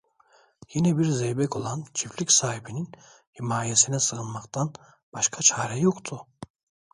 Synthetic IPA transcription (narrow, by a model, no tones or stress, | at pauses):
jinɛbiɾzejbɛko̞lˠant͡ʃʰiflʲicʲsaːhibinin | himaːjesinɛsɯɣɯnmakt̪ʰan | b̥aʃkʰat͡ʃʰaːɾɛjo̞kt̪ʰʊ